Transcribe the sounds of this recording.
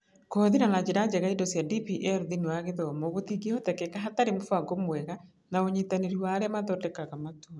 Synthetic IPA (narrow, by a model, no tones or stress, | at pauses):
koːðinanad͡ʑeɾad͡ʒɛɣaidɔsjadipiʔɛɾðinuaɣeðɔmɔɣotiɡieɔtɛkɛkaɦataɾemofaɡomwɛɣa | naoɲitaneɾiwaːɾɛamaðɔdɛkaɣamatoːa